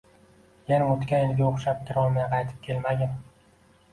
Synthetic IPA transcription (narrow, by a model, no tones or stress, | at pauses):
jenaot̪kʲaɪnɡʲaoχʃap̚kʲʰɪɾɒlˠmajaqʰɑjt̪ʰɪ̥p̚kʲʰe̞lmaɡʲan